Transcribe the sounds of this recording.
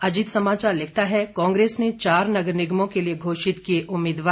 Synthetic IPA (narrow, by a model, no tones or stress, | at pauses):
ɐd͡ʒɪt̪sɐmaːt͡ʃaːɾlɪk̚ʰt̪aɦɛkãːŋɡɾeːsnet͡ʃaːɾnɐɡəɾnɪɡmõkelieɡʱoːʃɪt̪kieʔʊmːɪːd̪ʋaː